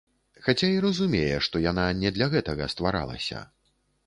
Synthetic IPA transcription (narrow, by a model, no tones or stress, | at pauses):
xat͡sʲaiɾɐzumʲejɛʂt̪ɔjananʲɛd̪lʲaɣɛt̪ɐɣɐ̰st̪vaɾa̰lˠɐ̰sʲɐ̰